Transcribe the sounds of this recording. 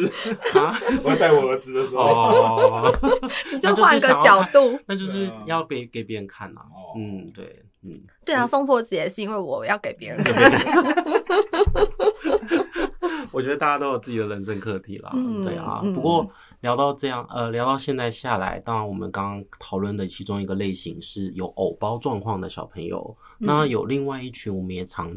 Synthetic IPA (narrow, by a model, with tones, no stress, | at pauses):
a˥˩˨t͡sa˥˩ɪwɔ˨˩ə˧t͡sɹ̩˧˥d̪ə˨ʂɻ̩˧xɔo˥˧ | ni˨t͡ɕjo˥t͡ɕjwa˥˧˥ɡəɑ̃˧˨ŋt͡ɕjɑ˨˩ʊ˥t̪u˥˨na˥˧t͡ɕjo˥˧ʊʂɻ̩˥˧jɑ˥˧ʊpe˧˩ɪke˨˩ɪpjɛ˧˥ɻə˧nkʰa˥˩nlɐ̰˨˩n̩˥˩t̪wḛ˥˩ɪ | n̩˥˩ | t̪we˥˩ɪa˨˩fo˥ŋpʰwɔ˥˧t͡s̩˧˩jɛ˨˩ʂɻ̩˥˩˧i˥nwe˥˩ɪwɔ˨˩jɑ˥˩ʊke˨˩ɪpjɛ˧˥ɻə˧˦nka˥ | ɔ˨˩t͡ɕɥɛ˧˥d̪ə˧t̪a˥˩t͡ɕja˥o˥ʊo˨˩t͡s̩˥˩t͡ɕi˨˩d̪ə˧ɻə˧˥nʂə˥˧ŋkʰɤ˥˩t̪ʰḭ˨˩lɐ̰˩t̪we˥˩ɪ̰ɐ̰˩pu˧˥kwɔ˥˧˩ | ljɑ˧˥ʊt̪ɑ˥˧ʊʈ͡ʂɤ˥˧jɑ˥˩ŋʔə˧ljɑ˧˥ʊt̪ɑ˥˧ʊɕjɛ˥˧nt͡sa˥˧ɪɕja˥˩la̰˧˥ɪt̪ɑ˥ŋɻa˧˥nwɔ˨˩mə̰˦nkɑ˥ŋkɑ˥ŋt̪ʰɑ˨˩ʊlwə˥˩nd̪ə˩t͡ɕʰi˧˥ʈ͡ʂʊ˥ŋi˧˥ɡə˧le˥˩ɪɕḭ˧˥ŋʂɻ̩˥˩jo˨˧˥ʊʔo˨˩ʊpɑ˥ʊʈ͡ʂwɑ˥˧ŋkʰwɑ˥˩ŋd̪ə˩ɕjɑ˨˩ʊpʰə˧˥ŋjo̰˨˧˩ʊ | na˥˩jo˨˩ʊli˥˧ŋwa˥˧ɪi˥˩t͡ɕʰy˧˥nwɔ˨˩mə˦njɛ˨˩ʈ͡ʂʰɑ˧˥ŋ